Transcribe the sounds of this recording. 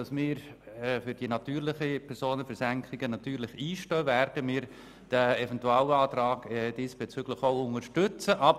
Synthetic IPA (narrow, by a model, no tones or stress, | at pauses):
ɑsmɪːɾɛfʏɾd̥inɑt̪yːɾlɪχəpʰɛɾsoːnəfɛɾsæŋkχɪɡənɑt̪yːɾlɪχiːʃtœːvæɾd̥əmɪːɾ | d̥æɛfɛntuaːlɑːt̪ɾɑːɡ̥ɛd̥iːsb̥et͡syɡ̥ləχoʊʊŋəʃtʏt͡səʔɑb